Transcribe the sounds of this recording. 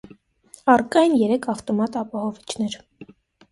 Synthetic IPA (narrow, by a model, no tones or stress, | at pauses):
ɑrkɑjnjɛɾɛkʰɑft̪ɔmɑt̪ɑpɑhɔvit͡ʃʰnɛɾ